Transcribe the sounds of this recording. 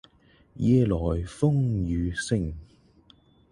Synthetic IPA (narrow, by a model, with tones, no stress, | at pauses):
jɛː˧lɔː˨˩jfʊ˥ŋjyː˨˧sɪ˥ŋ